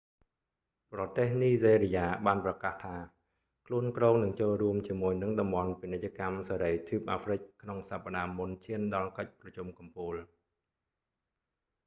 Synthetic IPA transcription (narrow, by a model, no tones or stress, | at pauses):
prɑt̪eːhniːzeːɾijaːɓaːnprɑkaːht̪ʰaː | kʰluənkroːŋnɨŋt͡ɕoːlruəmt͡ɕiəmuəjnɨŋɗɑmɓɑnpinɨc̚t͡ɕːə̆kamsaːɾəjt̪ʰuːp̚ʔaːfrɨc̚kʰnoŋsapːaɗaːmunt͡ɕʰiənɗɑlkəc̚prɑt͡ɕumkɑmpuːl